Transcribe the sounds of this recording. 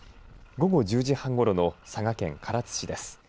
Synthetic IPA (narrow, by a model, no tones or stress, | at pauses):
ɡo̞ɡo̞ʑɨːʑihãŋɡo̞ɾo̞no̞saɡakẽ̞̰ŋkʰaɾat͡sɨ̥ɕid̪e̞sɨ̥